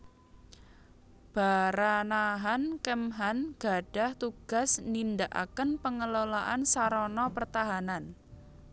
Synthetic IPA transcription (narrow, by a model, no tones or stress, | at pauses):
b̥aɾanaɦankəmɦanɡ̥a̤ɖ̥a̤ht̪uɡ̥a̤snind̪aʔa̰kənpəŋəlolaʔansaɾɔnɔpərt̪aɦanan